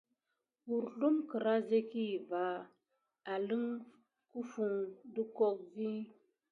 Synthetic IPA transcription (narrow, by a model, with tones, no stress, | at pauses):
bu˨ɾɬu˦mkə˨ɾa˦ze˦ki˦˨va˨˦ | a˨lɨ˦ŋ | ku˦fu˨ŋdu˦kɔ˦k̚vi˦